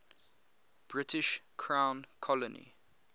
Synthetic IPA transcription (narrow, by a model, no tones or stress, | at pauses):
b̥ɹɪtʰɪʃkʰɹãʊ̃nkʰɔlənḭ